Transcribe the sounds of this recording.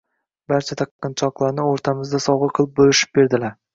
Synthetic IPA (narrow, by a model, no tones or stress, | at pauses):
baɾt͡ʃʰat̪ʰaqːɨnt͡ʃʰɒqlˠaɾnɪoɾt̪ʰamɪzd̪asɒwʁɨɾqʰɨlˠɪp̚bolɪʃɪ̥p̚be̞ɾd̪ɪlaɾ